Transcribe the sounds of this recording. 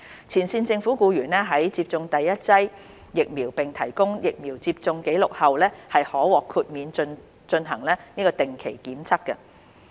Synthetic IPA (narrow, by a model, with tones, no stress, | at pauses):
t͡sʰiː˨˩nsiː˧nt͡sɪ˧ŋfuː˨˥kuː˧jyː˨˩nɛː˥ɦɐ˨˥jt͡siː˧p̚t͡sʊ˧ŋt̪ɐ˨jːɐ˥t̚t͡sɐ˥j | jɪ˨k̚miː˨˩wpɪ˨ŋt̪ʰɐ˨˩jkʊ˥ŋjɪ˨k̚miː˨˩wt͡siː˧p̚t͡sʊ˧ŋke˨˥jlʊ˨k̚hɐ˨wlɛː˥hɐ˨jhɔː˨˥wɔː˨kʰuː˧t̚miː˨˧n˧n | t͡ʃɵ˧nɦɐ˨˩ŋlɛː˥niː˥kɔː˧t̪ɪ˨ŋkʰe˨˩jkiː˨˥mt͡sʰɐ˥kːɐ˧